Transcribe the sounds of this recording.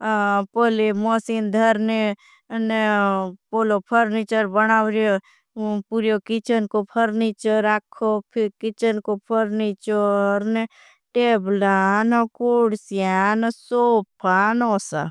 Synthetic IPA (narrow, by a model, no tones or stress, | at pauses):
polemɔsind̪ʱəɾne | nepolopʰəɾnit͡ʃəɾbənaːwɾjo | puɾjokit͡ʃənkopʰəɾnit͡ʃəɾakʰːopʰikit͡ʃənkopʰəɾnit͡ʃəɾne | ʈeblanɔkoɽsijansopʰanosa̰